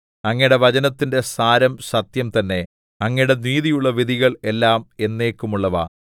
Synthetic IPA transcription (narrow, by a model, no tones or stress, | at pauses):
ɐŋːɐɽe̞ʋɐt͡ɕɐnɐt̪ːinde̞saːɾɐmɕɐt̪jɐmt̪ɐnːe̞ | ɐŋːɐjɽe̞niːðijuɭːɐʋid̪ʱiɣɐɭe̞lːaːme̞nːe̞ːkːumuɭːɐʋa̰